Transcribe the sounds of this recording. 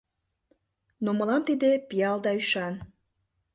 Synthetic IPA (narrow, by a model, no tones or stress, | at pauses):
noməlɑmt̪id̪epijɑld̪ɑyʃɑn